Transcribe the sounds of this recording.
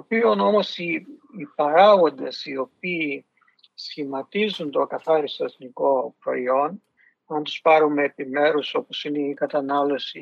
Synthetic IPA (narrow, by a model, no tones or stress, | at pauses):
t̪opio̞no̞mo̞siːpɐɾɐɣo̞nd̪esio̞piː | sçimɐt̪izunt̪o̞ɐkɐθɐɾist̪oeθniko̞pɾo̞̰io̞n | ɐnt̪u̥spɐɾumeːpime̞ɾuso̞po̞sineikɐt̪ɐnɐlo̞si